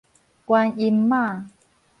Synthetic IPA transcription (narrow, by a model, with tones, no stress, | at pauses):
kwaː˧ni˧mːaː˥˩